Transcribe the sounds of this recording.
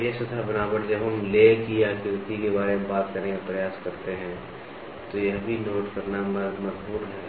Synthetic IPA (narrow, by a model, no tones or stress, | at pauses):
jesɐt̪ʰabɐnaːbəɾd͡ʒɐbɦɐmleːkijaːɡɪɾt̪ikebaːɾemebaːt̪kɐɾẽkapɾɐjaːskɐɾt̪eɦɛ̃ | t̪ojɐɦbʱinoːʈkɐɾnamɐmɐd͡ʒbuːɾɦɛː